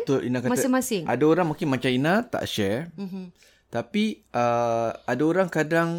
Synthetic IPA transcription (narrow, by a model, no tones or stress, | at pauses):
t̪oʔḭnakamasiŋmasɪŋadaoɾaŋmakɪnmat͡ʃãinãt̪a̰ʔʃɛ | t̪apiʔəadaoɾaŋkadaŋ